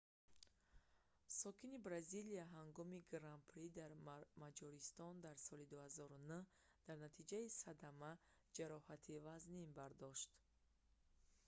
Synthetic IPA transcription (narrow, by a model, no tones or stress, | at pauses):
sɔkʰinibɾaziliaɦaŋɡɔmiɡɾampʰɾid̪aɾmad͡ʒɔɾist̪ɔnd̪aɾsɔlid̪uhazɔɾunuh | d̪̥aɾnat̪ʰid͡ʒaisad̪ama | d͡ʒaɾɔhat̪ʰivaznimbaɾd̪ɔʃt̪